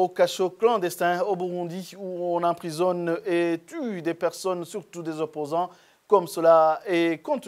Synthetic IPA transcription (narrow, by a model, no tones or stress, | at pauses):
okaʃoklɑ̃d̪ɛst̪ɛ̃obuʁũd̪iuɔ̃nɑ̃pχizɔnet̪yd̪epɛʁsɔnsyʁt̪ud̪ezɔpozɑ̃ | kɔmsəlaɛkɔ̃t̪